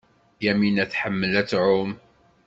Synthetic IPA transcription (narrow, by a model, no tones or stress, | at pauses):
jæminæθħəmːəlæt͡sːʕʊm